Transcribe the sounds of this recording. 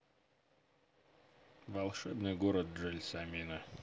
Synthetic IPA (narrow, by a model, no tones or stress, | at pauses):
vɐlˠʂɛbnɨjɡoɾət̪̚ʐɛlʲsɐmʲinə